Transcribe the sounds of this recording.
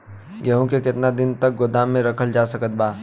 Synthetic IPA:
ɡɛɦõkekɪt̪nad̪ɪnt̪ɐk̚ɡʊd̪aːmːẽɾɐkʰəld͡ʒaːsɐkət̪̚baː

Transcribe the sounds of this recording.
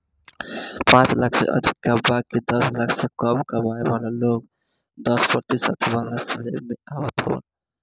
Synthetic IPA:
pãt͡ʃlakʰsḛʔə̰d̪ʱikːabaɡ̚ked̪ɔslakʰsekəmkəɾbaebalaloɡ | d̪ɔspəɾt̪isə̰t̪ʰebalaslemeawət̪ɦo̰ə̰n

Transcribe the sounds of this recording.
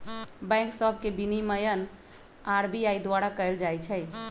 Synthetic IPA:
bɛ̃ŋksəbʱkebiniməjən | aɾbiajd̪waɾakəɪld͡ʒajt͡ʃʰəj

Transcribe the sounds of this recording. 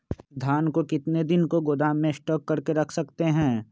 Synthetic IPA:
d̪ʱjaːnkokɪt̪ned̪ɪnkoɡoːd̪aːmːẽɪsʈɔːkːɐɾkeɾɐkʰsɐkt̪eɦɛ̃ː

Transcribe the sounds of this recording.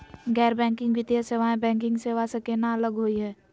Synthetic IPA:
ɡɛːɾbɛ̃ːŋkɪ̃ŋɡbʱɪt̪jaseʋaẽbɛ̃ːŋkɪ̃ŋɡseːʋasekenaələɡɦoiɦɛː

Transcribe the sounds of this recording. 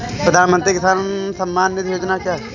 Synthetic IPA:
pɾəd̪ʱaːnmə̃nt̪ɾikɪsaːnsɐ̃mːaːnːɪt̪joːd͡ʒnakjaːɦɛ

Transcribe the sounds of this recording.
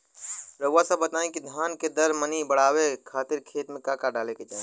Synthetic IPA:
ɾəasəbːət̪aːẽkid̪ʱjaːnked̪əɾmənibəɽ̤aːwekʰaːt̪ɪɾkʰeːt̪mẽkakaɖaːleked͡ʒaːẽ

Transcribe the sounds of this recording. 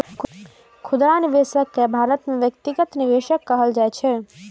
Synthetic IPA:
kʰʊd̪ɾanɪʋeːʃəkːebʱaːɾət̪mẽʋjək̚t̪ɪɡət̪nɪʋeːʃəkːəɦəld͡ʒaːjt͡ʃʰe

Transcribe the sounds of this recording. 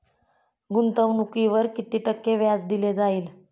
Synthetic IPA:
ɡunt̪əʋnukiʋəɾkit̪iːʈəkːeʋjat͡sd̪iled͡zaiːl

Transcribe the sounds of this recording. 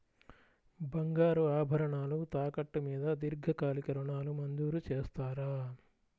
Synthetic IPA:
bɐŋɡaːɾuaːbʱɐɾɐɳaːlut̪aːkɐʈːumiːd̪ɐd̪iɾɡʱɐkaːlikɐɾuɳaːlumɐnd̪uːɾut͡ʃeːst̪aːɾaː

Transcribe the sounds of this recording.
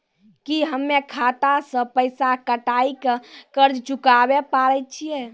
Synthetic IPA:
kiɦəmːekʰat̪asə̃pəjsakəʈajkekəɾd͡ʒt͡ʃukabepaɾət̪̚t͡ʃʰijɛ

